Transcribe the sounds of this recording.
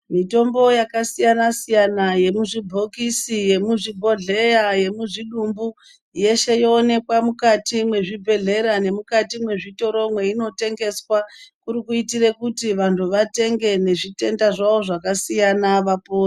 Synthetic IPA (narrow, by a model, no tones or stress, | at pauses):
mito̞mbo̞jakasijanasijanaje̞muʐibʱo̞kisije̞muʐibʱo̞ɮe̞jaje̞muʐiɗumbu | je̞ʃe̞joːne̞kwamukatimwe̞ʐibʱe̞ɮe̞ɾane̞mukatimwe̞ʐito̞ɾo̞mwe̞ino̞te̞ŋɡe̞swakuɾikuitire̞kutiʋantʰuʋate̞ŋɡe̞ne̞ʐite̞ndaʐawo̞ʐakasijanaʋapoːri